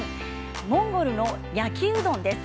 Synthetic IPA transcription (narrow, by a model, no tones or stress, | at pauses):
mõ̞ŋɡo̞ɾɯ̟no̞ | jakʲɨːd̪õ̞nd̪e̞s